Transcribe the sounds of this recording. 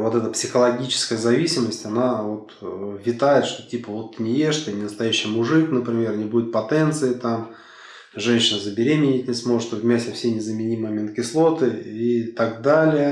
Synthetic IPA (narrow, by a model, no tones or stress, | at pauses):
vo̞t̪ɛt̪əpsʲɪxəlˠɐɡʲit͡ɕɪ̥skəjəzɐvʲisʲɪməsʲtʲɐnavo̞t̪vʲɪt̪ajɪt̪ʂt̪otʲipəvo̞t̪ːɨnʲɪjeʂt̪ɨnʲɪnəst̪ɐjæɕːɪjəmʊʐɨknəpɾʲɪmʲe̞rnʲɪbudʲɪt̪̚pɐt̪ɛnt̪sɨɪt̪am | ʐɛnʲɕɪnəzəbʲɪɾʲemʲɪnʲɪtʲnʲɪsmo̞ʐɨt̪vʲmʲæsʲɪfsʲenʲɪzəmʲɪnʲimɨmʲɪnkʲɪslˠo̞t̪ɨit̪aɡd̪alʲɪjə